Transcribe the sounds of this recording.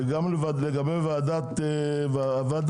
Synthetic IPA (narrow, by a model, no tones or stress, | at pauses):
ɡamlevaleɡabevaːd̪at̪e | vavad̪